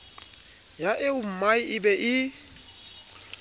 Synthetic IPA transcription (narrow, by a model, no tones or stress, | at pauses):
jaʔɪʊm̩maɪɪbɛʔɪ